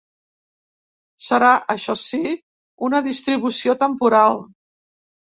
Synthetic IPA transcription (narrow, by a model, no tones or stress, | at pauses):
səɾaʔəʃɔsi | unəðist̪ɾiβ̞usiot̪əmpuɾalˠ